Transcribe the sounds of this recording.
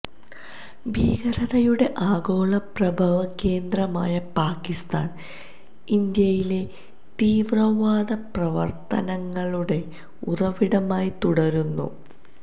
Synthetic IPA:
bʱiːɡɐɾɐðɐjuɽe̞ʔaːɡo̞ːɭɐprɐbʱɐʋɐke̞ːnd̪rɐmaːjɐpaːkːist̪a̰ːn | ind̪jɐjile̞ | t̪iːʋrɐʋaːd̪ɐprɐʋɐrt̪ɐ̰nɐŋːɐɭuɽe̞ | urɐʋiɽɐmaːjit̪uɽɐɾunːṵ

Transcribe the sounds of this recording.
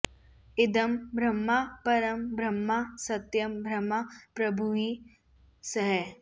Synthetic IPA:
ɪd̪ɐmbʱɾɐmːapɐɾəmbɾɐmːasɐt̪jɐmbʱɾɐmapɾɐbʱui | sɐɦɛ

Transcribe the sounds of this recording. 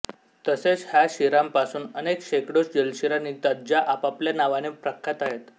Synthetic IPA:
t̪əset͡sɦjaɕiɾampasuːnənekɕekɽosd͡ʑəlɕiɾanit̪ad͡ʑaʔapapljanaʋanepɾəkʰːat̪aɦet̪

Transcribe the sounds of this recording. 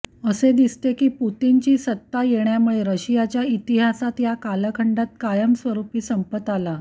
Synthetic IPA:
əsed̪ist̪ekiːput̪int͡ɕiːsət̪ːajeɳjamuɭeɾəɕijat͡ɕjait̪iɦasat̪jakaləkʰəɳɖat̪̚kajəmsʋəɾupiːsəmpət̪ala

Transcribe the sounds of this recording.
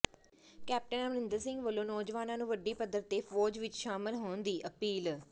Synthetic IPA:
kɛːp̚ʈənəʋənɪ̃nd̪əɾsɪ̃ŋɡʋəlõːnɔːd͡ʒʋaːnãːnũːʋəɖːiːpəd̪əɾt̪eːfɔːd͡ʒʋɪt͡ʃʃaːmɪlɦoːnd̪iːʔəpiːl

